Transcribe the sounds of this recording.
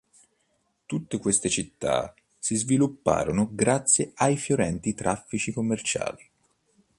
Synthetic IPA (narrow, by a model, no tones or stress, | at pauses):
t̪ut̪ːekwest̪et͡ʃit̪ːa̰ | sizvilupːa̰ːɾonoɡɾat̪sːjeajfjoɾɛnt̪it̪ɾafːit͡ʃikomːert͡ʃa̰ːli